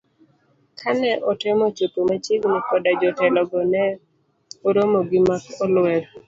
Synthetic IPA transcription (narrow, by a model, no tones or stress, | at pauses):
kʰanɛʔɔtɪmɔt͡ʃopomat͡ʃɪɡnɔkɔdad͡ʒɔtɛlɔɡɔnɛ | oɾomɔɡɪmakɔlwɛd